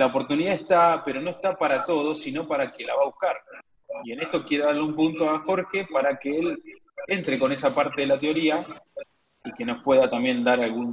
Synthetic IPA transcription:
laopo̞ɾt̪uniðaest̪ape̞ɾo̞no̞est̪apaɾat̪o̞ð̞osino̞paɾakelaβaβuhkaɾ | ie̞nest̪o̞kje̞ɾeðaɾleumpunt̪o̞axo̞ɾxe̞paɾakeel | e̞nt̪ɾeko̞ne̞sapaɾt̪e̞ðelat̪eo̞ɾia | ike̞no̞spwe̞ðat̪ambje̞nd̪aɾalɣun

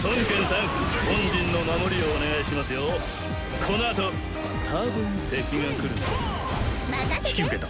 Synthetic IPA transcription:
sõŋkẽ̞ɰ̃sãŋhõɲ̟d͡ʑĩnːo̞mamo̞ɾʲioːne̞ɡaiɕimasɨjo | kʰo̞noat̪̬o̞ | t̪ʰabɯ̟̃nt̪e̞kʲiŋakɯ̟ɾɯn | ɕi̥kʲiɯket̪a

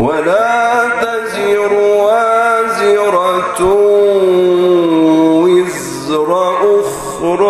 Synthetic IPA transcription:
walaːt̪azɪɾʊwazɪɾˤɑt̪ʊ | wɪz | ɾˤɑʔʊx | ɾˤ

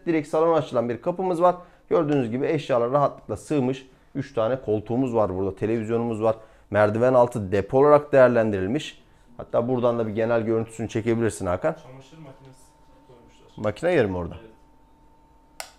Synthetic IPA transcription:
d̪iɾɛcsalˠo̞nat͡ʃʰɯlˠanbiɾkʰapɯmɯzvaɾ | ɟø̞ɾd̪yːnyzɟibiɛʃjaːlˠaɾaɦat̪lˠɯ̥klˠasɯːmɯʃ | yt͡ʃt̪ʰaːnɛkʰo̞lˠt̪ʰuːmuzvaɾbuɾd̪at̪ʰe̞lʲe̞vizjo̞numuzvaɾ̥ | mæɾd̪ivænalˠt̪ʰɯd̪epʰo̞lˠaɾakd̪e̞jæɾlʲænd̪iɾilʲmiʃ | ha̰t̪ʰːaːbuɾd̪and̪abiɟe̞nælʲɟøɾynt̪ʰy̥synyt͡ʃʰe̞ce̞bilʲiɾsina̰ːkan | macʰinajɯɾmoɾd̪a

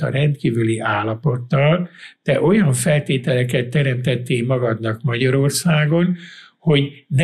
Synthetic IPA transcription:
ɒ̰ɾɛnt̪kiːvyliaːlːɒpo̞t̪ːɒld̪̥ɛʔo̞jɒɱfɛlt̪eːt̪ɛlɛkɛt̪ːɛɾɛmt̪ɛt̪ːeːmɒɡɒd̪nɒkmɒɟɒɾo̞rsaːɡo̞nho̞n

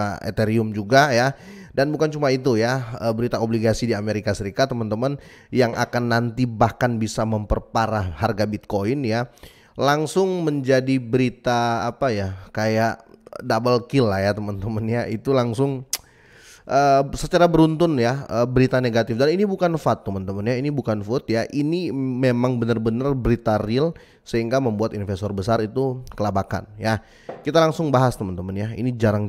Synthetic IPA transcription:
aḛt̪eɾiʊmd͡ʒuɡaja | danbukant͡ʃumait̪ujaəbəɾit̪aobliɡasidiameɾikasəɾikat̪ːəmənt̪əmən | jaŋʔa̰kanːant̪ibahkanbisaməmpərpaɾaharɡabit̪̚koɪnja | laŋsʊŋməɲd͡ʒadibəɾit̪aːpajakajaʔdabalkilajat̪əmənt̪əmənjait̪ulaŋsʊŋ | ʔəːsət͡ʃaɾabəɾunt̪ʊnjaəːbəɾit̪aneɡat̪ɪfdaninibukanfat̪ːəmənt̪əmənjainibukanfut̪̚jaʔinimemaŋbənərbənərbəɾit̪arɪl | səɦiŋɡaməmbuat̪infest̪ɔrbəsaɾit̪ukəlabaka̰nja | kit̪alaŋsʊŋbaɦast̪əmənt̪əmənjaḭnid͡ʒaɾaŋ

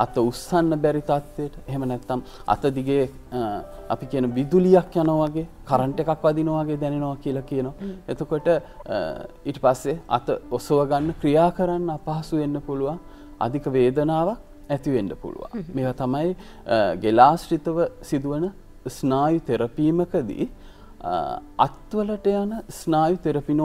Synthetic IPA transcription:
a̰t̪əusanːəbɛɾit̪at̪ʋejəʈəeɦemənɛt̪ːam | a̰t̪əd̪iɡeː | a̰pikiənoʋid̪ulijakjanoʋaɡeːkaɾəɳʈekakʋad̪inoʋaɡeːd̪ɛnenoʋakiəlakijənoʋaet̪okoʈə | iːʈəpasːea̰t̪əosoʋəɡanːəkɾijaːkəɾanːəapaɦasuʋenːəpuluʋaŋ | a̰d̪ʱikəʋeːd̪ənaːʋak̚ | ɛt̪iʋenːəpṵlṵʋa̰ŋmeːʋat̪amaj | ɡelaːsʈit̪əʋəsid̪uʋənə | snaːjut̪eɾəpiːməkəd̪ḭ | a̰t̪ʋələʈəjanəsnaːjut̪eɾəpin

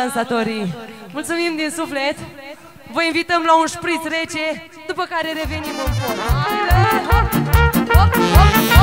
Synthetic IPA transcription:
ansat̪o̞ɾimult̪sumimd̪insuflet̪ | vəinvit̪əmlaunspɾit̪t̪ɾe̞t͡ʃe̞ | d̪upəkaɾe̞ɾe̞ve̞nimɨnpo

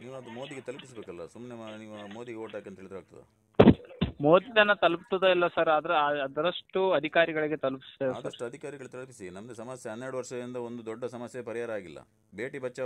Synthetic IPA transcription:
niːʋuɐd̪umoːd̪iɡet̪ɐlɐpisbeːkɐlːɐsumneniːʋumoːd̪iɡeoːʈaːkient̪ɦiɭid̪ɾɦaːɡ̚t̪ɐd̪ḛ | moːd̪id̪ɐnːɐt̪ɐlup̚t̪ɐd̪uilːɐsɐɾɐd̪ɐɾɐd̪ɐɾɐʂʈuɐd̪ʱikaːɾiɡɐɭiɡet̪ɐlupi̥sd̪eaːd̪ɐʈːuɐd̪ʱikaːɾiɡɐɭt̪ɐlpisinɐmɐɡesɐmɐsjɐɦɐnːeɾɽuʋɐɾʂɐdind̪ɐond̪ud̪ɔɖːɐsɐmɐsjɐpɐɾiɦaːɾɐaːɡilːɐ̰ | be̞ːʈibɐt͡ʃːɐ

